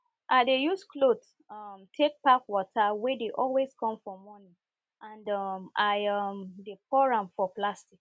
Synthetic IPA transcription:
ʔadejusklot | ɔmtʰek̚pakwɔtʰawedeʔɔlweskɔ̃mfɔmɔnĩ | ãndɔmaɔmdepɔɹãmfɔplastik

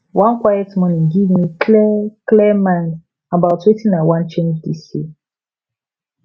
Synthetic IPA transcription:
wʔãnkwajɛtmɔnĩŋɡivmikʰlɛklɛmãnd | abaʊtʰwetinãwãnt͡ʃẽnd͡ʒdisi

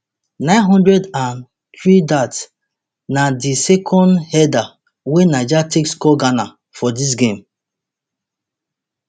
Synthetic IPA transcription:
nãɪ̃nɦɔ̃ndɹɛdãn | t̪ɹidats | nadisɛkʰɔ̃ndhɛda | wenad͡ʒatʰekskɔɡana | fɔdis̬ɡẽm

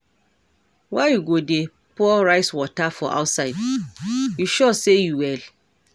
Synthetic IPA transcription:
waɪjuɡode | puɔɹaɪswɔtafɔʔa̰ʊtsaɪd | juʃɔsejuwɛl

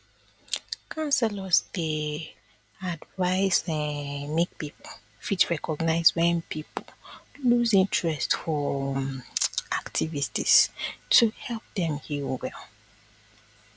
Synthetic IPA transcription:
kʰãnsɛləzde | advaɪsɛ̃nmek̚pipɔ | fitɹɛkɔɡnaɪzwɛ̃npʰipoluzĩntʰɹɛstfɔ | ʔaktʰivististʰuhɛlp̚dɛ̃mhiwɛl

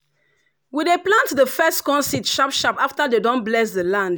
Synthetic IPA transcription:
wideplãntðəfɛstkɔ̃nsitʃapʃapaftadedɔ̃nblɛs̬dəlãnd

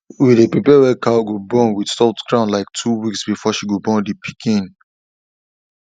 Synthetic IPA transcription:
widepɹipɛwɛkaɡobɔ̃nwid̥sɔtɡɹãʊnlaɪk̚tʰuwiksbifɔʃiɡobɔ̃ndipʰi̥kʰĩn

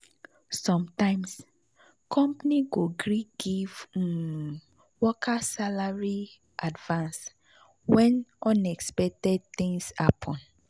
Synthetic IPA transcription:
sɔ̃mtãɪ̃ms | kʰɔ̃mpniɡoɡɹiɡ̥iv | wɔkʰasalaɹi | ʔadvãns | wɛ̃nɔ̃nɛkspɛk̚tɛd̚θĩŋsapʰɔ̃n

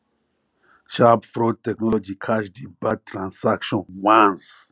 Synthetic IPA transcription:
ʃabfɾod̚tɛknɔlɔd͡ʒikʰaʃdibad̚tɾãnsakʃɔ̃nwãns

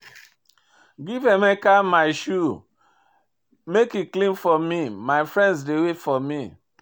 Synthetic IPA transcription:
ɡivɛmɛkamaɪʃu | mekiklĩnfɔmimaɪfɹɛ̃ndsdewefɔmi

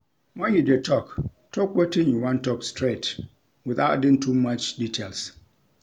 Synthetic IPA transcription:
wɛ̃nhidetʰɔk | tʰɔkwetɪ̃njuwãntɔkstʰɹet | wɪθatdɪ̃ntʰumat͡ʃditʰels

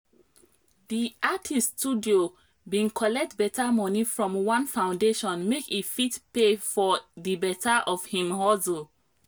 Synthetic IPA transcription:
diatʰistudio | bĩnkʰɔlɛk̚tbɛtamɔnifɹɔ̃mwãnfãʊ̃ndeʃɔ̃nmekitfitpefɔdibɛtʰaʔɔfhĩmhɔso

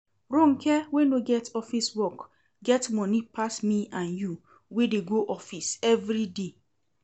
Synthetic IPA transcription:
ɾõŋ̩kʰɛwenoɡɛtɔfiswɔk | ɡɛtmɔ̃nipʰasmĩãnju | wedeɡoʔɔfisɛvɾide

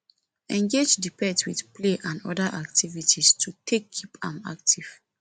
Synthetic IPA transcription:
ɛ̃ŋɡed͡ʒdipɛ̃twidpleʔãnɔ̰daʔak̚tʰivitʰistʰutʰekʰːipã̰ma̰k̚tʰiv̥

